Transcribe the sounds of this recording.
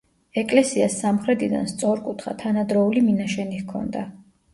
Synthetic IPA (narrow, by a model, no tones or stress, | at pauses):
ɛkʼlɛsiasːamχɾɛt̪ʼid̪a̰nst̪sʼɔɾkʼut̪ʰχa̰t̪ʰanad̪ɾɔuliminaʃɛnihkʰɔ̰nd̪a